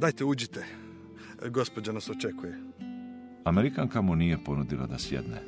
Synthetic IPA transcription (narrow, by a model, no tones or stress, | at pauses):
d̪aːjt̪eud͡ʒit̪e | ɡo̞spod͡ʑanasot͡ʃekuje | ameɾikaŋkamunije̞po̞nud̪ila̰d̪asjḛd̪nḛ